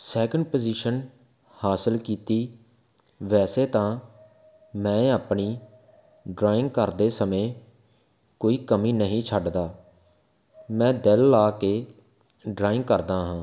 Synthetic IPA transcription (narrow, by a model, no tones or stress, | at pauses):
sɛːkəɳɖpəziʃən | haːsəlkiːt̪iː | ʋɛːseːt̪ãː | mɛ̃ːaːpɳiː | ɖɾaːɪ̃ŋɡkəɾd̪eːsəmẽː | koːiːkəmĩːnəɦĩːt͡ʃʰəɖd̪aː | mɛ̃ːd̪elːaːkeː | ɖɾaːɪ̃ŋɡ̚kəɾd̪aːɦãː